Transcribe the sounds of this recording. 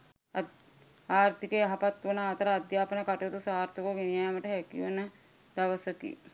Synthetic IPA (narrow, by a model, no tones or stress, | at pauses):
aːɾt̪ikeaɦapat̪ʋənaːt̪əɾaːd̪jaːpənəkaʈot̪usaːɾt̪ukoɡenijaːməʈəɦɛkiʋonə | d̪̥aʋəsəkḭ